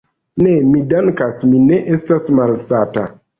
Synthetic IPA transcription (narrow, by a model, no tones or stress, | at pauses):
ne̞midaŋkasmine̞ʔestasmalsata̰